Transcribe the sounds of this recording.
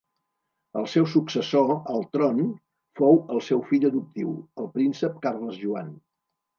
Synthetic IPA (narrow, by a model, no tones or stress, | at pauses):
əlˠsɛwsuksəsoəlˠt̪ɾon | fowəlˠsɛwfiʎəðup̚t̪iwəlˠpɾinsəp̚karləzʒua̰n